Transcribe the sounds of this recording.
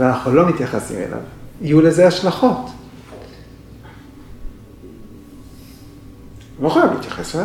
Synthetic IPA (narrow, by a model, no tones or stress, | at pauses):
veanaχnulo̞mit̪jaχasḭmḛlʔa̰vijulezeaʃlaχo̞t | lo̞χajavlḭːt̪jaχesela